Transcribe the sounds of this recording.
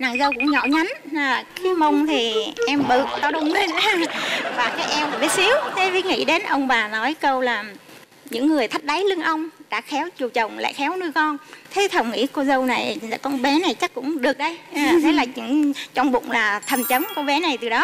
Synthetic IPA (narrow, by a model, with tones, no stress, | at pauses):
na̰ː˧˨ŋzə˧wkʊ̰˧˥ŋ͡mɲɔ̰˧˨ɲa˨˦nə˨˩ki˨˦mə˧wŋ͡mt̪ʰi˨˩ʔɛ˧mɓɨ̰˧˩kt̪ɔ˨˦ɗʊ˨˧˩wŋ͡m | vaː˨˩kaː˨˦jʔɛ˧wnaː˨˩ɓi˦t̚si˨˦əwt̪ʰe˨˦vḭ˧˦ŋḭ˧˥ɗe˨˦nʔə˧wŋ͡mɓaː˨˩nɔ˨˦jkə˧wlaː˨˩ | ɲɨ̰˧˥ŋːɨ˨˩əjt̪ʰa˦˥k̚ɗa˨˦jlɨ˧əŋʔə˧wŋ͡mɗa̰ː˧˥xɛ˨˦wt͡ɕu˨˩wt͡ɕə˨˩wŋ͡mla̰ː˧˨jxɛ˨˦wnɨ˧jkɔ˧nt̪ʰe˨˦t̪ʰə˨˩wŋ͡mŋḭ˧˥ko˧zə˧wna˨˩jza̰ː˧˥kɔ˧nɓɛ˨˦na˨˩jt͡ɕa˦˥k̚kʊ̰˧˥ŋ͡mɗɨ˨˩ək̚ɗə˧jt̪ʰe˨˦laː˨˩t͡ɕɨ̰˧˥ŋt͡ɕɔ˧wŋ͡mɓʊ̰˧˨wŋ͡mlaː˨˩t̪ʰə˨˩mt͡ɕə˨˦mko˧wɓɛ˨˦na˨˩jt̪ɨ˨˩ɗɔ˨˦